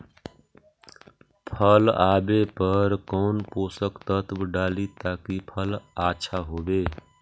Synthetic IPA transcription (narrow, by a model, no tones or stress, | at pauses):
pʰəlabepəɾkɔːnposəkt̪ət̪bɖalit̪akipʰəlat͡ʃʰaɦobe